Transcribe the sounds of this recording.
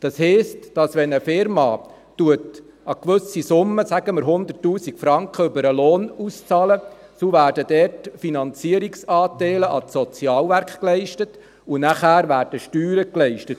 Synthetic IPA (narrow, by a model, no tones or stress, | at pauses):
d̥ɑshɛɪstd̥ɑsʋɛnəfɪɾmɑ | tuət | ɑkʋɵsisʊmːəsæɡəməɾɦʊnd̪ətːuːsikfɾɑŋkχəʏbəɾəloːnust͡sɑːləsoʋæːɾdəd̥ɛːtfinɑnt͡siəɾiksɑːtɛɪləʔɑtsɔt͡sjɑːlʋæɾkχklɛɪʃtət | unæχæːɾʋæːɾd̥əʃtyːɾəklɛɪʃtət